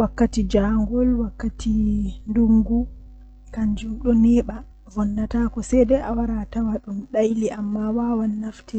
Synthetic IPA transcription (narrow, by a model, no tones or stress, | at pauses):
wakːatid͡ʒaŋɡɔlwakːatʰinduŋɡu | kaɲd͡ʒuɗɔnɛːɓa | vɔnːatakɔsɛdɛʔawaɾatawaɗumɗajliʔamːawawanːaftɛ